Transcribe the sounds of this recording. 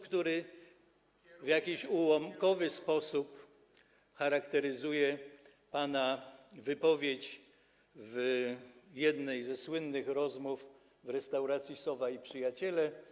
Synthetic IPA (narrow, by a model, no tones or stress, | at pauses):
kt̪uɾɘ | vjakʲiɕuwɔmkɔvɘspɔsup | xaɾakt̪ɛɾɘzujɛ | panavɘpɔvʲjet͡ɕ | v | jɛd̪nɛjzɛswɘnːɘxɾɔzmuf | vɾɛst̪awɾat̪sʲjisɔvaipʂɘjat͡ɕɛlɛ